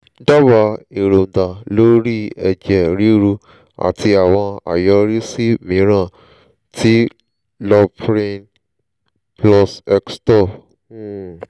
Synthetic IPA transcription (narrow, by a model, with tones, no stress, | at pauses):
da˦ba˧˦e˨ɾo˨da˨lo˦ɾi˦ɛ˨d͡ʒɛ˨ɾi˦ɾu˧ | a̰˨tʰi˧a˨w̃ɔ̃˧a̰˨jɔ˧ɾi˦si˦mĩ˨˧˦ɾã˦˨ | ti˦ | lɔ˧pɾĩ˧n | plɔ˧sɛ˧kstɔ˦˨˦